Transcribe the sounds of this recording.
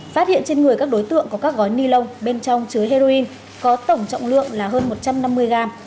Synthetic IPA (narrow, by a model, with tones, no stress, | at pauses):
faː˦˥t̚hḭ˧˨ənt͡ɕe˧nŋɨ˨˩əkaː˦˥k̚ɗo˨˦jt̪ɨ̰˧˨əŋku˨˩kaː˦˥k̚ɣɔ˨˦jni˧lə˧wŋ͡mɓe˧nt͡ɕɔ˧wŋ͡mt͡ɕɨ˨˦əjɦe˧zo˧i˧n | kɔ˨˦t̪ə˨˩wŋ͡mt͡ɕɔ̰˧˨wŋ͡mlɨ̰˧˨əŋlaː˨˩ɦəː˧nmo˨˩t̚t͡ɕa˧mna˧mːɨ˧əjɣaː˧m